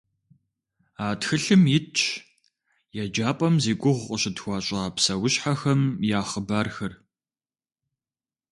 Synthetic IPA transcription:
aːtxɨɬɨmjɪt͡ʃʰʼ | jɛd͡ʒaːpʼɐmziːkʷʼʊʁʷːʼəɕɪtxʷɑːɕʼɐaːpsɐwɕħaxɐmjaːχəbaːrxɐr

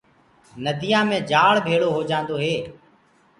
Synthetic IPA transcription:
nəd̪ʱijãːmẽːd͡ʒaːɽbʱeːɽoːɦoːd͡ʒãːnd̪oːɦeː

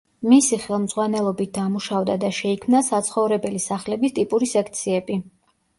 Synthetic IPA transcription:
misiχɛlˠmd̪zʁwanɛlˠɔbit̪̚d̪amuʃavd̪ad̪aʃɛikʰmnasat̪sʰχɔvɾɛbɛlisaχlɛbist̪ʼipʼuɾisɛkʰt̪sʰiɛbi

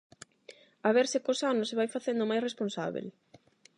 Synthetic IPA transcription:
aβɛɾsɪkosanʊseβajfaθend̪ʊmajsresponsa̰βḛl

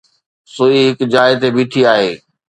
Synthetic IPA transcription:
soiɦɪkd͡ʑaːɪet̪ebiːʈʰiaːɦeː

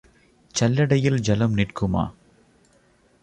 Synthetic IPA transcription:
t͡ʃɐlːɐɽɐjɪld͡ʒɐlɐmnɪrkɯma̰ː

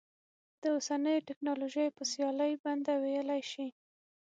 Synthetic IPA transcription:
d̪̥əosanəjoʈɪknɑloʒəjpəsjɑləjband̪awejəlajʃi

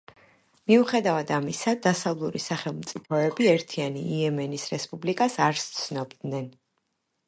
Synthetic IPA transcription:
miuχɛd̪avad̪amisad̪asavlˠuɾisaχɛlˠmt̪sʼipʰɔɛbiɛɾt̪ʰianiːɛmɛnisɾɛspʼublikʼasaɾst̪sʰnɔbd̪nɛn

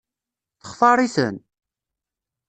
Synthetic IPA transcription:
θə̥χθɑɾˤisə̰n

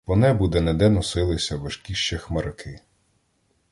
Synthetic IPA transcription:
ʋɔnɛbud̪ɛnɐd̪ɛnɔsɪlˠɪsʲɐʋɐʃkʲiʃt͡ʃɛxmɐɾɐkʰɪ

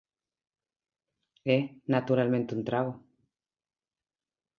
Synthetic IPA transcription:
enat̪uɾalmẽnt̪eunt̪ɾaβo

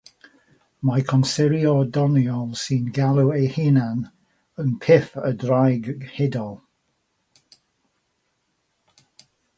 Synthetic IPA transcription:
makʰɔnsɪɾjɔdɔnjɔlˠsinɡalˠuejhɪnan | ənpʰɪfədrajɡhɪdɔlˠ

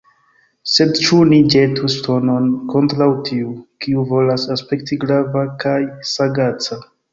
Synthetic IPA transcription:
se̞dt͡ʃunid͡ʒetusto̞no̞nko̞ntɾawtʰiukiuvo̞lasaspe̞k̚tiɡɾavakajsaɡat͡sa

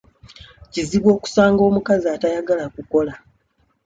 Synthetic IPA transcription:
ciziβwo̞ːku̥saːŋɡo̞ːmukaziaːtajaɡalakuko̞la

